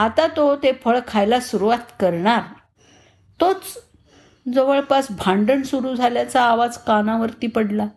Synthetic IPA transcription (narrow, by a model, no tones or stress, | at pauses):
at̪at̪ot̪efəɭkʰajlasuɾuʋat̪kəɾɳaɾ | t̪ot͡s | d͡zəʋəɭpasbʱaɳɖəɳsuɾuːd͡zʱaljat͡saːʋad͡zkanaʋəɾt̪iːpəɽla